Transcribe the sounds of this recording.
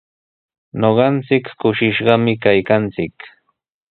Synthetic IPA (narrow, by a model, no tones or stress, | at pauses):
noɢɑnt͡sɪkkʊʃɪʃɢɑmɪkajkant͡sɪk